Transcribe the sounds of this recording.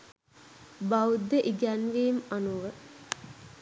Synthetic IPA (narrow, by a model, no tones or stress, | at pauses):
bawud̪əʔiɡænʋimanuʋə